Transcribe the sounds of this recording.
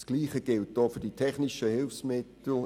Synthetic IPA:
sɡ̥liːχəɡ̥ɪlt̚doːfyɐd̥itʰɛχnɪʃəhɪlfsmɪtl̩

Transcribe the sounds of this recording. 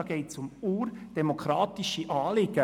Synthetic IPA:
ɑɡ̥ɛɪtsʊmuːrd̥ɛmokʰɾɑːt̪iʃiʔɑːlɪɡ̥ə

